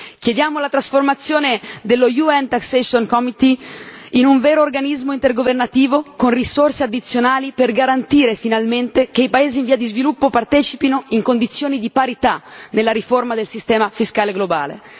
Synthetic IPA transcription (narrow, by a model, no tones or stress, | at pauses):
kjed̪jaːmolat̪ɾasformat̪sːjoːned̪elːojuɛnt̪aksɛsonkɔmit̪iinuɱveːɾoːrɡanizmoint̪erɡovernat̪iːvokonrisorsead̪ːit̪sːjonaːliperɡaɾant̪iːɾefinalment̪ekeipaeːziːɱviːad̪izvilupːopart̪ɛːt͡ʃipinoiŋkond̪it̪sːjoːnid̪ipaɾit̪anelːaɾiformad̪elsist̪ɛːmafiskaːleɡloba̰ːlḛ